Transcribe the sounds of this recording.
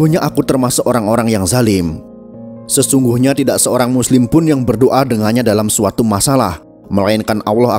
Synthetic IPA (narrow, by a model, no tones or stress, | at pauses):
uhɲaʔakut̪ərmasʊkoɾaŋoɾaŋjaŋzalɪm | səsuŋɡuhɲat̪idaʔsəoɾaŋmuslɪmpʊnjaŋbərdoʔadəŋarɲadalamsuat̪umasala̰h | məlainkanʔa̰wlɔha̰